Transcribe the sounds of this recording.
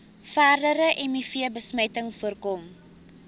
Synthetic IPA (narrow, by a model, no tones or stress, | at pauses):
fæːrdəɾəʔɛmifiəbəsməjtəŋfuərkɔm